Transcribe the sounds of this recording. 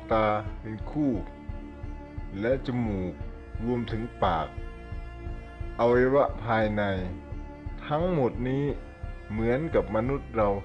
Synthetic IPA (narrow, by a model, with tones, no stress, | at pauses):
t̪aː˧pe˧nkʰuː˥˩ | lɛ˦˧˥ʔt͡ɕa˧muː˨˩k̚ | ɾu˧əmt̪ʰɯ˨˦ŋpaː˨˩k̚ | ʔa˧wa˧jwa˧˥ʔpʰaː˧jna˧j | t̪ʰa˦˥ŋmo˨˩t̪̚niː˦˥˨ | mɯ˩˨˦ənka˨˩p̚ma˧nu˦˥˩t̪̚ɾa˧w